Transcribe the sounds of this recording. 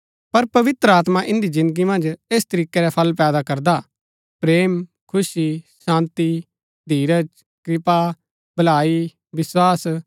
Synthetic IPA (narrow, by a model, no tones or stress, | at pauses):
pɐɾpɐʋɪt̪ɾəaːt̪maʔɪ̃nd̪izɪ̃nd̪əɡimɐ̃nd͡ʒeːst̪ɐɾiːkɛɾɛpʰɐlpɛːd̪akɐɾd̪a | pɾeːm | kʰʊsisãːnt̪i | d̪ʱiːɾət͡ʃ | kɾɪpa | bɐlaːi | ʋɪswaːs